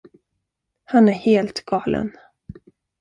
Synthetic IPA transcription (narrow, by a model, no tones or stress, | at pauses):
hanæɾheːlt̪ɡɑːlʔə̰n